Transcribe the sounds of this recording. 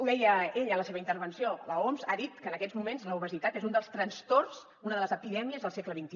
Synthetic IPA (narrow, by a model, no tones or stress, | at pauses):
uðɛjəeʎələseβəint̪əɾβ̞ənsioləomzaðit̪kəːnəkɛzmumenzləuβ̞əzit̪at̪ezund̪əlˠst̪ɾənst̪ors | unəðələzəpiðɛmiəzðəlˠsɛkləβint̪i